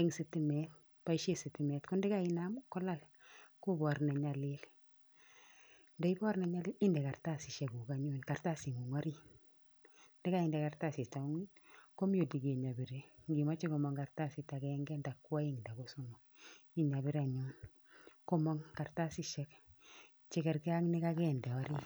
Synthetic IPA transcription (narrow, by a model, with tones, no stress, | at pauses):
eŋsiti˦mɛ˦t̚ | pa˦iʃe˦si˨ti˨mɛ˨tku˦ndi˦ka˦i˦na˦mkɔ˦la˦l | ku˦bɔ˨ɾna˨ɲa˨li˦l | ndɛ˦i˦bɔ˦ɾna˨ɲa˦liː˦li˦ndɛ˨ka˨ɾta˦si˨ʃe˨ku˨ka˨ɲu˦nka˨ɾta˦si˨ŋu˨ŋa˦ɾi˦ | ndɛ˦ka˦i˨ndɛ˨ka˨ɾta˦˨si˨ta˨˦ŋ˦ko˦mjo˨di˨ɡi˨ɲa˨bi˨ɾe˦ɡi˨ma˦t͡ʃi˦ko˨mo˨ŋɡa˨ɾta˦si˨ta˨ɡɛŋɡɛ˦nda˨kːu˦a˦i˦ŋda˨ɡo˦su˦nu˨ | i˦ɲa˨bi˦ɾa˨ɲu˦ | ko˦mɔ˦ŋka˨ɾta˦si˦ʃɛ˦k | t͡ʃi˦kɛ˨ɾki˦a˦ŋni˦ka˦ɡɛ˦nda˨wa˦ɾi˦